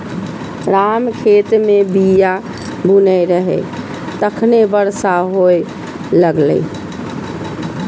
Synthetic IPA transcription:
ɾamkʰet̪mebija | bʱunəjɾəɦɛ̰ | t̪əkʰnebəɾsaɦoj | ləɡlə̰

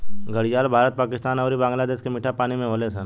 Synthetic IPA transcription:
ɡəɽijaːlbʱaːɾət̪̚paːkɪst̪aːnɔːɾibãːŋɡlad̪eːʃkemɪʈʰapaːnimẽɦoːlesən

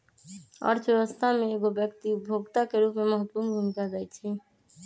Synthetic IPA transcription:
ɔ̰ɾd͡ʑʰbɛbost̪ʰameeɡobjɛkt̪ibʱoɡt̪akeɾupmemɔɦot̪puɾnɡʱunkaɡajt͡ɕʰi

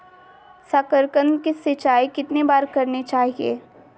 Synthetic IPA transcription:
sakəɾkənkisɪt͡ʃaːikɪt̪nebaːɾkɐɾnet͡ʃaːɦiḛː

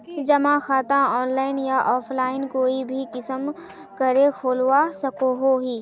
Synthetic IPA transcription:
d͡ʒɐmãxaːt̪ãɔːnlaːɪnjaʔɔːpʰlaːɪnkoːibʱikɪsəm | kɐɾekʰoːlwasɐkoɦoɦiː

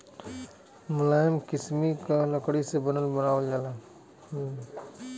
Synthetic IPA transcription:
mʊlaːjəmkɪsmikalɐkɽisebɐnəlbənaːd͡ʒaːlaː

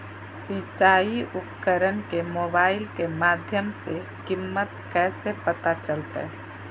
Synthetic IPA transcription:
sit͡ʃaːiupkəɾənkemoːbaːɪlkemaːd̪ʱjəmse | kimːət̪kɛːsepət̪at͡ʃəlt̪ḛ

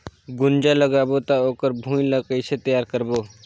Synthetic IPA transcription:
ɡund͡ʒaləɡabot̪aokəɾbʱũilakəjset̪əjaɾkəɾbo

